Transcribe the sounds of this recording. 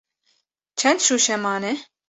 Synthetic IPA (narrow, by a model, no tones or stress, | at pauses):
t͡ʃʰɛnʃuʃɛmɑnɛ